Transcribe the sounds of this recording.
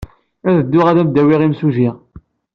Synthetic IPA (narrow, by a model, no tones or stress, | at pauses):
æðəd̪ːʊʁæðæmd̪æwiʁimsuʒiʁ